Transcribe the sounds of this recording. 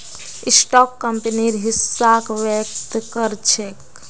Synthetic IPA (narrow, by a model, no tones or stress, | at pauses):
isʈɔkːəmpeniɾɦisːakʋek̚t̪kəɾt͡ʃʰek